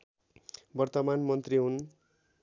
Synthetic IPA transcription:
bʌrt̪ʌmanmʌnt̪riɦun

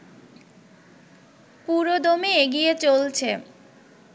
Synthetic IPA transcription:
puɾod̪omeeɡiet͡ɕolt͡ɕʰe

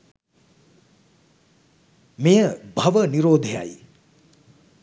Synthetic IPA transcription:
mejəbʱɐʋəniɾoːd̪ʱeja̰j

